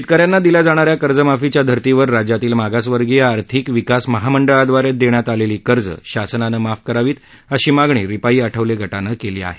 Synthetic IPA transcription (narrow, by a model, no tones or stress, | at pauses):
ɕit̪̚kaɾjanːad̪iljad͡zaɽ̃aɾjakəɾd͡zəmafit͡ɕjad̪ʱəɾt̪iʋəɾːad͡ʑjat̪iːlmaɡasʋəɾɡijaːɾt̪ʰikʋikasməɦaməɳɖəɭad̪ʋaɾet̪̚d̪eɳjat̪aleliːkəɾd͡zə̰ɕasənanəmafkəɾaʋiːt̪ | əɕiːmaɡɳ̃ḭːɾipaiːəʈʰəʋleɡʱəʈanəkelḭːa̰ɦe̥